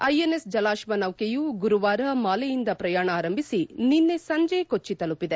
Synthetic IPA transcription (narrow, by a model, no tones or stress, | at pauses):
ɐjenesd͡ʒɐlaːʃʋɐnɐwkejuɡuɾuʋaːɾɐmaːlejind̪ɐpɾɐjaːɳɐaːɾɐmbʱisininːesɐɲd͡ʒekot͡ʃːit̪ɐlupːid̪e